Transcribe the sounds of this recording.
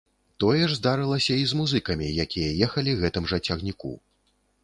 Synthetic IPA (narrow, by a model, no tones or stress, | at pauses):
t̪ɔjɛʐzd̪aɾɨlˠɐsʲɐizmuzɨkɐmʲijakʲijɐjɛxɐlʲiɣɛt̪ɨmʐɐt͡sʲɐɣnʲikṵ